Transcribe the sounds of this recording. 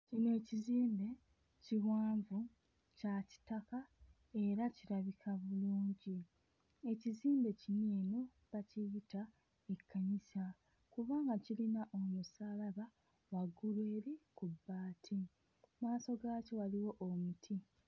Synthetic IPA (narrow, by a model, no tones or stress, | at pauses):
cinoe̞ciziːmbe̞ | ciwaːɱvu | caci̥taka | e̞ɾaciɾaβikʰaβuluːɲɟi | e̞ciziːmbe̞cineːno̞ | βaciːta | e̞kːaɲisa | kuβaːŋɡacilinaʔo̞musalaβa | waɡulwe̞ːɾikubːaːtʰi | maːso̞ɡaːco̞waliwo̞ʔomutʰi